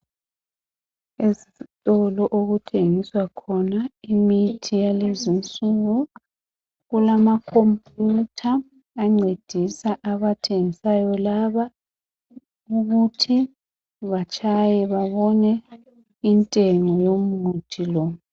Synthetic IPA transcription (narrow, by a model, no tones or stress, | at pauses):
ezitʼɔlɔʔoɣutʰeŋiswakʰɔnaimitʰijalezint͡sʼuɣu | ɣulamakʰompʼjutʰaː | ŋ͡ǀʱed̥ʱisaʔaβatʰeŋisajɔlaβa | uɣutʰi | βat͡ʃʰʼajɛβaβɔnɛ | intʼeŋɔjomutʰilɔ